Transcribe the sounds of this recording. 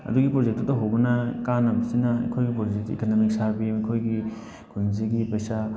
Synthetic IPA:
ɐ̰duɡipɾozek̚tutɐɦowbɐnɐkanabisinɐɐ̰jkʰojɡipɾod͡ʒek̚tḭkanomik̚saɾbimɐkʰojɡi | kʰujŋziɡipɐjsa

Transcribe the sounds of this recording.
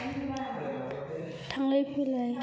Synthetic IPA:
tʰaŋlajpʰilaj

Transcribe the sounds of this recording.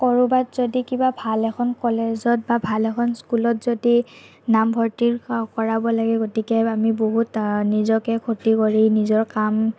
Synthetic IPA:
kɔɹubatzodikibabʱalɛkʰɔnkɔlezɔt̚babʱalɛkʰɔnskulɔtzodi | nambʱɔɹtiɹkɔɹabɔlaɡɛɡotikɛamiboɦutnizɔkɛkʰotikɔɹinizɔɹkam

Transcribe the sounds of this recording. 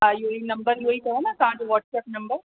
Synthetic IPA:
ajoinɐ̃mbəɾnoːikɐɦonãk̪ɐɦãːt͡ʃʋɔːʈsɛːpnɐ̃mbəɾ

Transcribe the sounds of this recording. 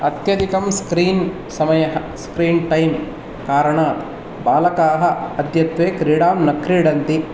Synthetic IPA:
ɐt̪jɐd̪ʱikɐmskɾiːn | sɐmɐjɐɦɐ | skɾiːnʈɐjm | kaːɾɐɳaːt̪ | baːlɐkaːɦɐ̆ɐd̪ʱjɐt̪ʋeːkɾiːɽaːmnɐkɾiɽɐnt̪i

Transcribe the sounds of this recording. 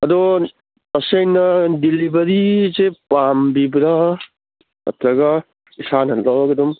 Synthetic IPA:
ɐdo | ɐsɐjnɐdilibɐɾizepambibɾa | ɐ̰tɾɐɡɐ | isanɐnlawɡɐdum

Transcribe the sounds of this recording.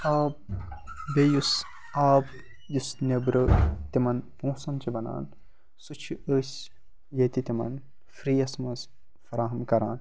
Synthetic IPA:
aːb̚ | bejus | aːb | jusnebɾɐt̪imɐnpõːsɐnt͡ʃʰibɐna̰ːn | sut͡ʃʰiʔəːsʲ | jet̪it̪imɐ̰n | fɾiːɐsmɐs | fɐɾaːɦɐmkɐɾaːn

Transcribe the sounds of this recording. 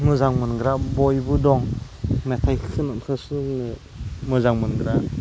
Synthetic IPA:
mɯzaŋmɯnɡɾabɔjbudɔŋ | natʰajkʰɯnɔnkʰɯsunɯ | mɯzaŋmɯnɡɾa

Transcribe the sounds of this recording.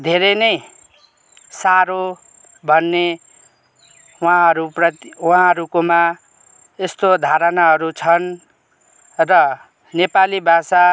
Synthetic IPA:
d̪ʱeɾenʌj | saɾo | bʱʌnːe | wãɦʌɾuprʌt̪wãɦʌɾukoma | est̪od̪ʱaɾʌnaɦʌɾut͡sʰʌn | rʌ | nepalibʱasa

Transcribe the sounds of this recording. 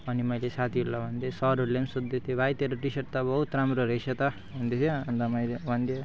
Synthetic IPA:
ʌnimʌjlesat̪ʰiɦulːabʱʌnd̪esʌɾuɾlemsud̪ːet̪ʰebajt̪eɾoʈisʌʈt̪abʌɦut̪ɾamɾoɾʌsʰʌt̪a | bʱʌnd̪et̪ʰeʌnd̪amʌjlebʱʌnd̪e

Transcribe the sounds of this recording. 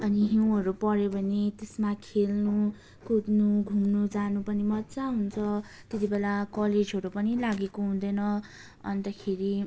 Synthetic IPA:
ʌniɦiw̃ɦʌɾupʌɾjobʱʌnet̪esmakʰelnu | kud̪nuɡʱumnud͡zanupʌnimʌtːt͡saɦunt͡sʰʌ | t̪et̪ibelakʌled͡zɦʌɾupʌnilaɡekoɦund̪ʌjnʌ | ʌ̰nt̪ʌkʰeɾi

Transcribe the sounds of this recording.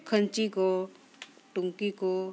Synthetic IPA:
kʰənt͡ʃiko | ʈʊŋkiko

